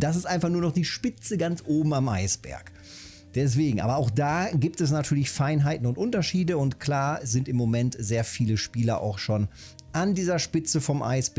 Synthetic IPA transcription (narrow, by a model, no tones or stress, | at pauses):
d̥asɪstʔaɪnfaχnuːɐnɔχd̥iːʃpɪt͡səɡant͡sʔoːbm̩amʔa̰ɪsb̥ɛ̰ɐk | d̥ɛs̬v̥eːɡŋ̩ʔa̰ːbɐaʊxd̥aːɡiːp̚tɛs̬natʰyːɐlɪçfaɪnɦaɪtn̩ʊntʔʊntɐʃiːdəʊntkʰl̥aːzɪntɪmːomɛntz̥eːɐfiːləʃpiːlɐʔa̰ʊxʃoːn | ʔandiːzɐʃpɪt͡səfɔmʔa̰ɪsb̥